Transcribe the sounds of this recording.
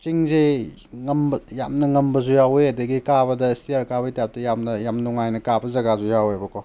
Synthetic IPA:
t͡ʃiŋze | ŋɐmbjamnɐŋɐmbɐzujawejadɐɡikabɐdɐstijaɾkabɐjtjap̚tɐjamnɐjamnuŋajnɐkabɐzɐɡazujawejbɐkʰɔ

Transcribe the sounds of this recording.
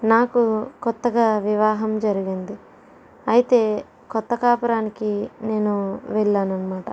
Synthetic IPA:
naːkukɔt̪ːɐɡaːʋiʋaːɦɐmd͡ʒɐɾiɡind̪i | ɐjit̪e̞ː | kɔt̪ːɐkaːpɐɾaːnikine̞ːnuʋɛɭːaːnɐnːɐmaːʈɐ

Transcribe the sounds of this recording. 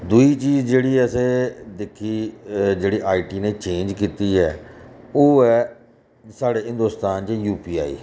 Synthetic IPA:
d̪uiːt͡ʃiːzd͡ʒeːɽiːɛəseːd̪ɪkʰːiːd͡ʒeːɽiːʔaːiːʈiːneːt͡ʃẽːnd͡ʒkiːt̪iːɛːoːɛː | saːɽeːɦɪ̃nd̪oːst̪aːnt͡ʃəjuːpiːa̰ːḭː

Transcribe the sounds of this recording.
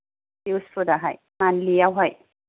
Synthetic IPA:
iwsfʰudaɦaj | manliawɦɔj

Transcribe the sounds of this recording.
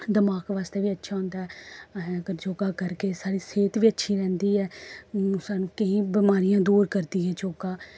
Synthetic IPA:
d̪əmaːkʋaːst̪eːʋiːətːʃʰaːɦʊ̃nd̪aːɦɛːɛɡəɾd͡ʒoːkaːkəɾkeːsaːɾiːseːt̪ʋiːətːʃʰiːɾɛ̃ːnd̪iːɛː | saːnũːkəĩːbɪmaːɾɪjãːd̪uːɾkəɾd̪iːɦɛːd͡ʒoːkaː

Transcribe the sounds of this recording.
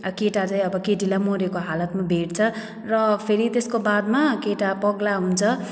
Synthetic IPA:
ʌkeʈat͡sãj̃ʌbʌkeʈilamoɾekoɦalʌt̪mabʱeʈt͡sʰʌ | rʌpʰeɾit̪eskobad̪makeʈapʌɡlaɦunt͡sʰʌ

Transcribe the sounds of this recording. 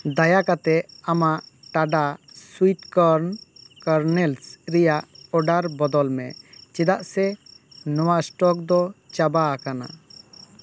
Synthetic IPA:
d̪ajakat̪ɛamaʔʈaɖaswit̪kɔɾnkaɾnɛlsɾɛjaʔɔɖaɾbɔd̪ɔlmɛt͡ʃɛd̪aʔsɛnɔwasʈɔk̚d̪ɔt͡ʃabakana̰

